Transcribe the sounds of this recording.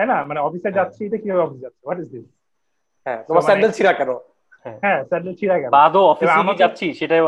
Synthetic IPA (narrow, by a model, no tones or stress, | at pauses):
ɦɛnamaneɔfised͡ʑat̪ːɕʰeejʈakibʱabeɔfised͡ʑatːʃʰewɔʈizd̪is | ɦɛ̰̃t̪omaɾmɛɳelt͡ʃʰiɾakɛno | hɛ̃ɦɛ̃sɛɳɖelt͡ɕʰiɾakɛnad̪oɔfĩamad͡ʑatːɕʰiʃeʈaj